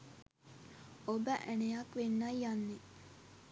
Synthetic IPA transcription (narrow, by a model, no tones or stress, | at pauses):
obəʔænejɐkʋenːajjanːe